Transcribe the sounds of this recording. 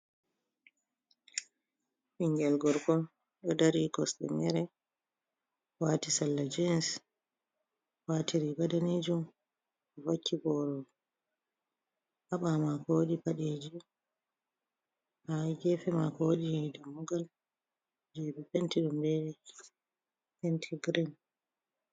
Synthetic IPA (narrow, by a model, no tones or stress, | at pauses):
piŋɡɛlɡɔɾkɔn | ɗɔdaɾikɔstɛ̰mɛɾɛ | watisalːad͡ʒins | watiɾiɡadaned͡ʒum | ɔvakʰːibɔɾɔ | ʔaɓamakoɗipaɗed͡ʒi | haɡɛfɛmakoɗijɛdamːuɡal | d͡ʒebipɛntiɗumbɛɗɛ | hɛntʰiɡɾin